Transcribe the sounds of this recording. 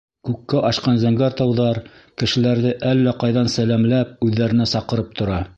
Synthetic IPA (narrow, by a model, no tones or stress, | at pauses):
kʉkːæʔɑʃqɑnzæŋɡæɾt̪ɑwðɑɾkɘ̆ʃɘ̆læɾðɘʔælːæqɑjðɑnsælæmlæp̚ʉðːæɾɘ̆næsɑqɤ̆ɾɤp̚t̪ŏɾɑ